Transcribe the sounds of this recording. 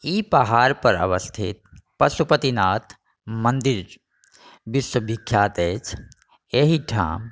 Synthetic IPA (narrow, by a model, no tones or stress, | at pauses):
ipəɦaːɾpəɾə̰ʋəst̪ʰḭt̪̚pəsupət̪inaːt̪ʰ | mənd̪iɾ | biswəbikʰːjaːt̪et͡ʃʰ | eɦiʈʰa̰ːm